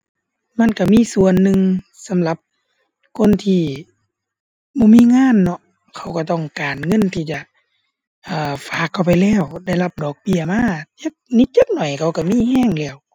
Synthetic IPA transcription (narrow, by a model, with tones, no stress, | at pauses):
ma˧˥˨nka˧˩miː˧˥˨su˧˨ənːɯ˧ŋ | sa˨˦mla˧˦p̚ | kʰo˧˥˨nt̪ʰiː˧˩ | bɔː˧˦˨miː˧˥˨ŋaː˧˥˨nːɔ˧ | kʰa˧˩wka˧˩t̪ɔ˧˩ŋkaː˨˩nŋɤ˧˥˨nt̪ʰiː˧˩t͡ɕa˧˩ | ʔaː˨˧˩faː˨˦kʰːa˧˩wpa˨jlɛː˧˥˩wda˧˩˨jla˧˩p̚dɔː˨˩k̚bi˧˩əmaː˧˥˨t͡ɕɤ˧˥k̚ni˧˦t̪̚t͡ɕa˧˥k̚nɔ˨˩jkʰa˧˩wka˧˩miː˧˥˨hɛː˧˥˨ŋlɛː˧˩w